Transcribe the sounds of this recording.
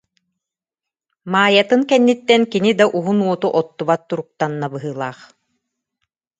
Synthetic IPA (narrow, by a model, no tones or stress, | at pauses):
maːjat̪ɯnkɛnːit̪ːɛnkinid̪aʔuɦunuɔt̪uʔɔt̪ːuβat̪ːuɾuk̚t̪anːabɯɦɯːlˠaːχ